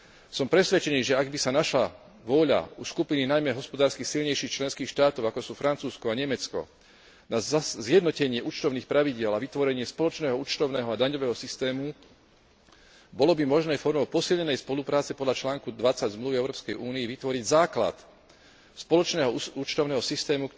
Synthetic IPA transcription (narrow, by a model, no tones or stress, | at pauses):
sɔmpɾɛsʋɛt͡ʃɛniːʒɛaɡbisanaʃla | ʋʊɔʎa̰uskupininajmɛɦɔspɔd̪aːɾskixsilʎɲɛjʃiːxt͡ʃlɛnskiːxʃt̪aːt̪ɔʊakɔsuːfɾant͡suːskɔaɲɛmɛt͡skɔ̰ | nazjɛd̪nɔcɛɲɪɛʔut͡ʃt̪ɔʊniːxpɾaʋiɟɪɛlaʋit̪ʋɔɾɛɲɪɛspɔlɔt͡ʃnɛːɦɔut͡ʃt̪ɔʊnɛːɦɔad̪aɲɔʋɛːɦɔsist̪ɛːmu | bɔlɔbimɔʒnɛːfɔɾmɔʊpɔsilʎɲɛnɛjspɔlupɾaːt͡sɛpɔd̪ʎat͡ʃlaːŋkud̪ʋat͡saɟzmluʋiɛʊɾɔːpskɛjʔuːnijɛʋit̪ʋɔɾiɟzaːkla̰t̪ | spɔlɔt͡ʃnɛːɦɔut͡ʃt̪ɔʊnɛːɦɔsist̪ɛːmuk